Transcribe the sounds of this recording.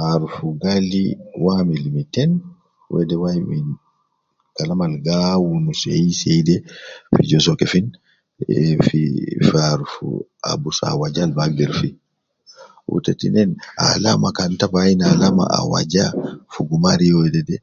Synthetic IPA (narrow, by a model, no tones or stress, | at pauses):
aɾufuɡalḭwamilimitɛn | wʔɛ̰dɛwajmi | kalamalɡawunusɛjisɛjdɛfid͡ʒɔsɔkɛfin | fifaɾufṵ | a̰busa̰wad͡ʒalbaɡ̚dɛɾfi | ʔṵtɛtḭnɛna̰lamakantabajinalama̰a̰wa̰d͡ʒafuɡumaɾijɔɛdɛdɛ